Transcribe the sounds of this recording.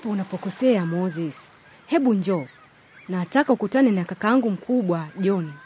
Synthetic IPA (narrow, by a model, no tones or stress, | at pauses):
apɔunapɔkɔsɛamɔzis | hɛɓuɲd͡ʒɔ | naːtakaukutanɛnakakaaŋɡum̩kʰuɓwaʄɔni